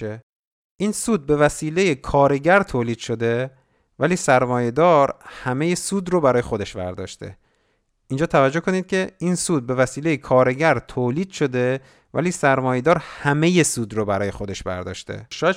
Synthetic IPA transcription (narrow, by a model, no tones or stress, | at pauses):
e | ʔiːnsuːd̪̚be̞væsiːlejekʰɒːɾe̞ɟæɾt̪ʰoːliːd̪̥ʃo̞d̪e̞ | væliːsæɾmɒːje̞d̪ɒːɾhæme̞je̞suːd̪ɾobæɾɒːje̞xo̞d̪e̞ʃvæ̰ɾd̪ɒ̰ːʃt̪ʰe̞̰ | ʔiːnd͡ʒɒːt̪ʰævæd͡ʒːohkʰo̞niːd̪̥̚cʰe̞iːnsuːd̪̚be̞væsiːle̞jekʰɒːɾeɟæɾt̪ʰoːliːd̪̥ʃo̞d̪e̞ | væ̰liːsæɾmɒːje̞d̪ɒːɾhæme̞je̞suːd̪ɾobæɾɒːje̞xo̞d̪e̞ʃbæ̰ɾd̪ɒ̰ːʃt̪ʰe̞̰ʃɒj